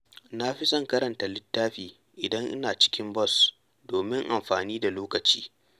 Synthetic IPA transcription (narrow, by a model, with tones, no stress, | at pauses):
na˦ɸi˦sɔ˦ŋkɐ˦ɾɐ˨nta˨lɪ˦tːaː˦ɸiː˨ | ʔɪ˨dɐ˦ŋʔɪ̰˦naː˨t͡ʃɪ̥˦kʲɪ˦mbɔ˦˨s | doː˨mɪ˦ŋʔa˨mɸaː˨niː˦da˨loː˦kɐ˨t͡ʃiː˦